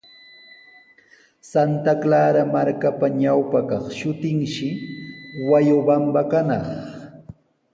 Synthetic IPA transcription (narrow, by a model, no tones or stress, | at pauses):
sant̪aklaːɾamaɾkapaɲawpakɑχʃʊt̪ɪŋʃɪ | wajʊbambakanɑχ